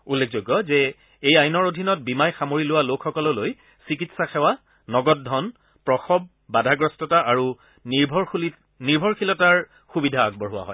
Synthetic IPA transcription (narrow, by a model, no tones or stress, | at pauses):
ulːek̚ʰzoɡːɔzɛ | ejajnɔɹodʱinɔt̚bimajxamoɹilʊwalokʰxɔkɔlɔloj | sik̬itsaxɛwa | nɔɡɔt̚dʱɔn | pɹɔxɔb̚ː | adʱaɡɹɔstɔtaʔaɹu | bʱɔ | niɹbʱɔɹkʰilɔtaɹ | xubidʱaːɡ̚bɔɹɦʊwa̰ɦɔ̰j